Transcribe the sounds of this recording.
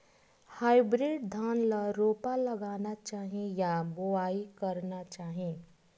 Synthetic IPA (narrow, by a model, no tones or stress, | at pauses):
haːɪbɾɪɖd̪ʱaːnləɾoːpaləɡaːnat͡ʃaːɦẽjaboaːikəɾnat͡ʃaːɦiẽ